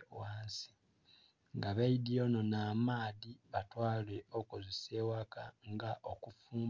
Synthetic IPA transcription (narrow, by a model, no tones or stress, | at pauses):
waːnsi̥ | ŋɡaβaidio̞nonaːmaːðiβatwaːleokozisewakaŋɡaʔokufuːm